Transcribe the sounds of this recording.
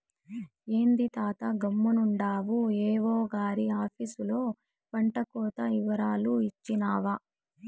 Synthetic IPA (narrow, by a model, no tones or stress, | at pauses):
eːnd̪it̪aːt̪ɐɡɐmːunuɳɖaːʋueːʋoːɡaːɾiaːpʰisulo̞ː | pɐɳʈɐkɔːt̪ɐiʋɐɾaːluit͡ʃːinaːʋa